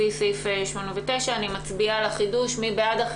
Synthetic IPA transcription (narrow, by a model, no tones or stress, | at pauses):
isifeʃmo̞neveteʃaːnimat͡sbialaχiduʃmibeadaχ